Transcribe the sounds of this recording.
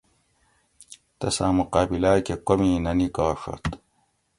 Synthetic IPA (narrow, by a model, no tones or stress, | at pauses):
t̪ɐsãːmuqaːbilaːkekomiːnɐnikaːʂɐ̰t̪